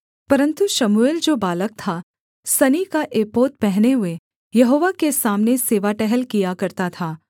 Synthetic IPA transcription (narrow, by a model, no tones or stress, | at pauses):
pɐɾə̃nt̪uʃɐmueːld͡ʒoːbaːlək̚t̪ʰa | sɐnikaʔeːpoːt̪̚pɛɦneɦʊe | jɐɦoːʋakesaːmneseːʋaʈɛɦəlkijakɐɾt̪at̪ʰaː